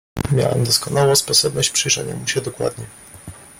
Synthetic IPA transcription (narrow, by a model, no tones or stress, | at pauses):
mʲja̰wɛ̰md̪ɔskɔnawɔ̃spɔsɔbnɔɕt͡ɕpʂɛjʐɛɲa̰muɕɛd̪ɔkwa̰d̪ɲɛ